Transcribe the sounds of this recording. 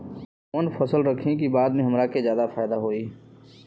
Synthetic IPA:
ənpʰəsəlɾəkʰẽkibaːd̪mẽɦɐmɾakezjaːd̪afʰaːɪd̪aɦoːiː

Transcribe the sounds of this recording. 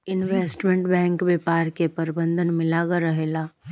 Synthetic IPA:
ɪnʋeːsʈmẽɳʈbɛ̃ːŋkbepaːɾkepɐɾbə̃nd̪ʱənmɪlaɡaɾɐɦeːlaː

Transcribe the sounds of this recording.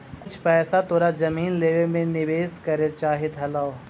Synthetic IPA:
kʊt͡ʃʰpɛːsat̪oːɾazɐmiːnleːʋemẽnɪʋeːskɐɾet͡ʃaːɦɪt̪ɦɐlaːo

